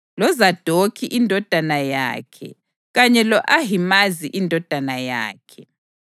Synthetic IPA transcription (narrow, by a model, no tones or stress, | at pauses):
lɔzad̥ʱokʰiʔindʱɔd̥ʱanaja̰ːkʰɛ̰ | ɣaɲɛlɔʔaɦimaziʔindʱɔd̥ʱanaja̰ːkʰɛ